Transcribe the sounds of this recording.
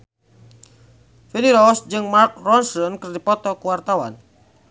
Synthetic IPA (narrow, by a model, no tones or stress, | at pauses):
finiɾɔsd͡ʒɨŋmark̚rɔnsɔnkərdipɔt̪ɔkuwart̪awa̰n